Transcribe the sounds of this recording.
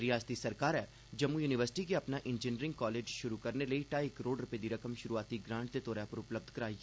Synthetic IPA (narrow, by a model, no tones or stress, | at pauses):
ɾijaːst̪isəɾkaːɾɛː | d͡ʒəmːujuːnɪʋəɾsɪ̥ʈikeəpnaʔɪ̃nd͡ʒɪniɾɪ̃ŋɡ̚kɔːleːd͡ʒʃʊɾukəɾneləiʈaːikəɾoːɖɾʊpeːd̪iɾəkəmʃʊɾuaːt̪iɡɾãːɳʈt̪et̪ɔːɾapəɾʊpləb̚d̪ʱkəɾaːiː